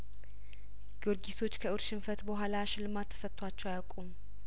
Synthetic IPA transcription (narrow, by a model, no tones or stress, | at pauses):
ɡoɾɡiso̞t͡ʃːkʰəɨɾʃɪmfət̪bəɦʷalaʃɪlɨmat̪ʰːə̥sət̪ʼːwat͡ʃːɛwajakʼum